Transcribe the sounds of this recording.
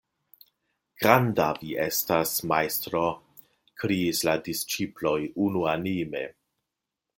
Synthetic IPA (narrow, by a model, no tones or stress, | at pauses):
ɡ̥ɾandaviestasmajstɾo | kɾiisladist͡ʃiplo̞junuanime̞̰